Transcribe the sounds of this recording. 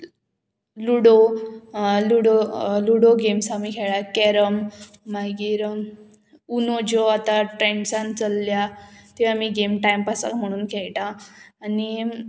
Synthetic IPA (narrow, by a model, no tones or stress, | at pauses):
luɽo | luɽoluɽoɡemsamikʰɛɭakɛɾəmː | aɡiɾ | unod͡ʑoat̪aʈɾɛ̃ɳɖsãnt͡səlːjat̪iamiɡemʈajmpasa̰km̤əɽ̃uːnkʰɛɭʈãːni